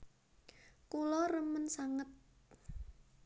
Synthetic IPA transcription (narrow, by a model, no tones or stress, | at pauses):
kulɔrəmənsaŋət̪̚